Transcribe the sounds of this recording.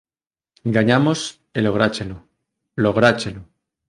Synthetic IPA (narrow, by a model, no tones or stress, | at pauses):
ɡaɲamos | eloɣɾat͡ʃelo | loɣɾat͡ʃelo